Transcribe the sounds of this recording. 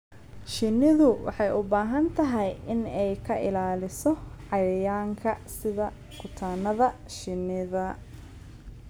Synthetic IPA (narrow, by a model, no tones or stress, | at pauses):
ʃɪnɪðʊwɑ̰ħɑjʔʊbaːɦɐnt̪ʰɐɦɛjɪnɛjkʰɐʔɪ̰laːlɪsɔʕɑjɐjaːŋkʰɐsɪðɐ | kʰʊt̪ʰaːnɐðɐ | ʃɪnɪðɐ